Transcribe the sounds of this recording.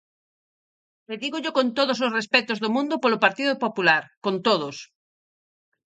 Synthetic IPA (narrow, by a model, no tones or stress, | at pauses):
leðiɣoʎokõnt̪oðososrespɛt̪ozðomũnd̪opolopaɾt̪iðopopulaɾkõnt̪oð̞os